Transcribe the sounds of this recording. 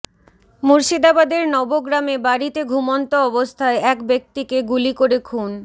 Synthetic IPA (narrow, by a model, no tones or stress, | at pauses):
muɾʃid̪abad̪eɾnɔboɡɾamebaɾit̪eɡʱumont̪oɔbost̪ʰaeʔɛkbek̚t̪ikeɡulikoɾekʰun